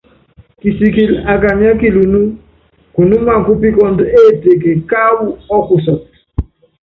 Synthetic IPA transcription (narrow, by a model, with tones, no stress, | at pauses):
ki˨si˨ki˨la˨ka˨ɲ˦a˦ki˦˨lu˨nu˦ | ku˨nu˦ma˦˨ŋ̩˨ku˦pi˦kɔ˦n˦de˦˨te˨k̬e˨ka˦wu˦ɔ˦ku˨sɔ˨t̚